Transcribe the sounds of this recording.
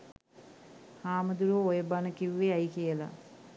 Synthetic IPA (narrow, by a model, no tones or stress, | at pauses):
haːməd̪uɾoojəbanəkiʋːeajkijəla̰